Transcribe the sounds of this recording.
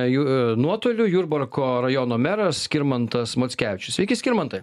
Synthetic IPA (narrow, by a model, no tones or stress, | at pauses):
junuɔt̪oːlʲʊjuːɾbɐrkoːɾɐjoːnoːmʲæɾɐssʲkʲɪɾmɐnt̪ɐsmoːt̪sʲkʲæʋʲɪt͡ʃʲʊsʋʲɛɪkʲɪskʲɪɾmɐnt̪ɐɪ